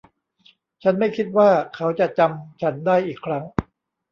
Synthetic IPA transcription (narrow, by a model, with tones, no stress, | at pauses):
t͡ɕʰa˦˥nma˥˩jkʰi˦˥t̪̚waː˥˩kʰa˦˥wt͡ɕa˨˩ʔt͡ɕa˧mt͡ɕʰa˦˥ndaː˥˩jʔiː˨˩kʰːɾa˦˥ŋ